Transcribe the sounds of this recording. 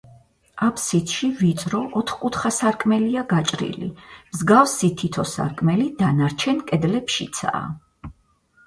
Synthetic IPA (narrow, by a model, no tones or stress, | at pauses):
apʰsit̪ʰʃivit̪sʼɾɔʔɔt̪ʰχkʼut̪ʰχasaɾkʼmɛliaɡat͡ʃʼɾḭlḭmzɡafsit̪ʰit̪ʰɔsa̰ɾkʼmɛlid̪̥anaɾt͡ʃʰɛnkʼɛd̪lɛpʃit̪sʰa̰ː